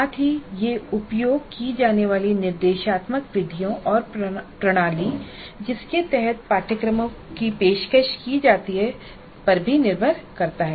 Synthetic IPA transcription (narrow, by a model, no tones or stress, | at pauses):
aːt̪ʰɦijeʊpjoːɡ̚kid͡ʒaːneʋaːlinɪɾd̪eːʃaːt̪məkʋɪd̪ʱijõʔɔːɾpɾɐɽ̃aːli | d͡ʒɪsket̪ɛɦɛt̪̚paːʈəkɾəmkipeːʃkəʃkid͡ʒaːt̪iɦɛ | pɐɾbʱinɪɾbʱəɾkɐɾt̪aɦɛː